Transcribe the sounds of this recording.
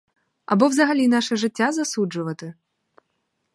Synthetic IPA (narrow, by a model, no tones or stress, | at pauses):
ɐ̰bɔwzɐɦɐlʲinaʂɛʐɪtʲːazɐsud͡ʐʊʋɐt̪ɨ